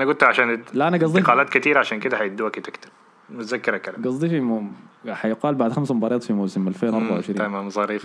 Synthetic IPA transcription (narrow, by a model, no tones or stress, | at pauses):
ʔanaɡʊd̪̚t̪ʕaʃaːnlʔanaɡɑzˤd̪qɑːlaːt̪kɪt̪iːɾaʕaʃaːnkɪd̪ahajɪd̪ːuwakit̪ɪkt̪ɪ̥b | mʊt̪zakːɪɾakala̰ɡɑzˤːifimħajʊqɑːlbaʕd̪xamsambɑːɾˤɑːt̪ˤfimoːsɪmalfeːnʔɑɾbaʕʊʕɪʃɾːamamsˤɑɾiːf